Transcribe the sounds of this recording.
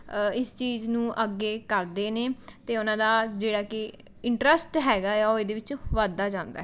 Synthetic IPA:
ɪst͡ʃiːznũːʔəɡeːkəɾd̪eːneːt̪eːʊnãːd̪aːd͡ʒeːɽaːkɪ | ɪɳʈɾəsʈɦɛːɡaːjaːoːed̪eːʋɪt͡ʃʋaːd̪aːd͡ʒãːnd̪a̰ɦɛː

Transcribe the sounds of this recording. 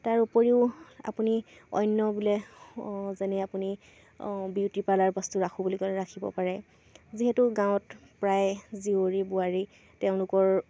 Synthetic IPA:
taɹupoɹiʊa̰puniɔ̰jnːɔbulɛ | zɛnɛapuni | biwtipalaɹbɔstuɹakʰubulikɔlɛɹakʰibɔ̰paɹɛ | ziɦɛtuɡãwɔtpɹajzioɹibuaɹi | teʊ̃lʊkɔɹ

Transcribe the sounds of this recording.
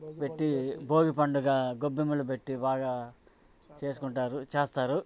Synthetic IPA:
pe̞ʈːibʱo̞ːɡipɐɳɖuɡaːɡobːimulup̬e̞ʈːibaːɡaː | t͡ʃe̞ːsu̥kuɳʈaːɾut͡ʃeːst̪aːɾu

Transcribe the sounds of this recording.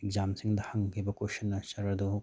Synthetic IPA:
ek̚zamsiŋd̪ɐhɐŋkʰibɐkwosɐnːɐsɐɾɐdu

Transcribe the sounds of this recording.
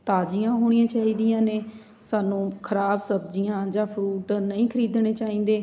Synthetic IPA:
t̪aːd͡ʒijãːɦoːɽ̃ijãːt͡ʃaːiːd̪ijãːneː | saːnũːkʰəɾaːbsəbd͡ʒɪjãːd͡ʒaːpʰɾuːʈnəĩːkʰəɾiːd̪ɳ̃eːt͡ʃaːĩːn̆d̪eː

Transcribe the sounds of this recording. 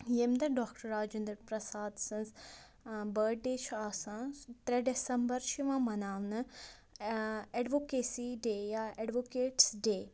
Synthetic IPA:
jemd̪ɐɖɔːkʈəɾaːd͡ʒẽnd̪ɾəɾpɾɐsaːd̪sɐ̃nz | bəːɖeːt͡ʃʰaːsãːt̪ɾɛɖesɐmbɐɾt͡ʃʰiʋãːmɐnaːʋnɐ | eɖʋoːkeːsiɖeːjaeɖʋokeːʈsɖeː

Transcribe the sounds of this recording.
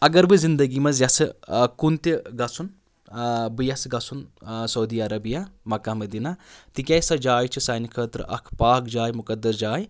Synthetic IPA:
ɐɡɐɾbɨzind̪ɐɡimɐzjɐsɨkunt̪iɡɐsun | bɨjɐsɡɐsunsɐwd̪iːɐɾɐbijamɐkamɐd̪inat̪ikʲɐjsɐd͡ʒaːjt͡ʃʰisɐːnikʰɐːt̪ɾɨʔɐ̰kʰpaːk̚d͡ʒaːjmukɐd̪ːɐsd͡ʒaːj

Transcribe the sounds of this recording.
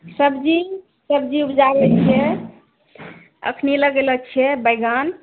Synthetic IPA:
səbd͡ʒi | səbd͡ʒiupd͡ʒaɾɛt͡ʃʰɛ | ə̰kʰniləɡelət͡ʃʰɛbəjɡan

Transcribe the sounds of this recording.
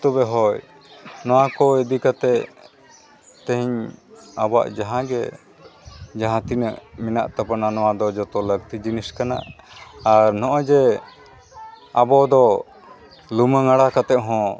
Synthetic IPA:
t̪ɔbɛɦɔj | nɔwakɔɛd̪ikat̪ɛʔ | t̪ɛ̃ɦiɲabwa̰ʔd͡ʒaɦãɡɛ | d͡ʒaɦãt̪inə̰ʔminaʔt̪apananɔwad̪ɔd͡ʒɔt̪ɔlək̚t̪id͡ʒiniskana̰ʔː | ɾnɔʔɔ̃d͡ʒɛ | abɔd̪ɔ | luməŋaɽakat̪ɛʔɦɔ̃

